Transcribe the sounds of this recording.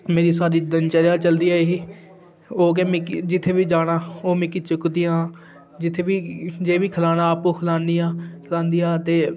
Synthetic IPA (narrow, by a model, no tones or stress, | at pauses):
meːɾiːsaːɾiːd̪ənt͡ʃəɾjaːt͡ʃəld̪iːaːeɦiː | oːk̬emɪkd͡ʒɪt̪ʰːeːʋiːd͡ʒaːɽaːoːmɪkːit͡ʃʊkd̪ijãː | d͡ʒɪt̪ʰːeːʋiːd͡ʒeːʋiːkʰəlaːnaːaːpũːkʰlaːniaːkʰəlãːnd̪ijaːt̪eː